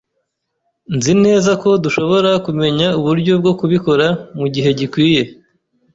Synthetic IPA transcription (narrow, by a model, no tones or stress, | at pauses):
nzine̞ːzako̞duʃo̞βo̞ɾakume̞ɲauβuɾɟo̞b̚ɡo̞kuβiko̞ɾamuɟiɦe̞ɟikwiːje̞